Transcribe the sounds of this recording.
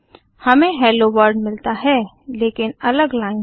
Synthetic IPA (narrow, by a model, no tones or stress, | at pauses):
hɐmẽɦɛːloʋəɾɖmɪlt̪aɦɛː | leːkɪnɐləɡlaːɪn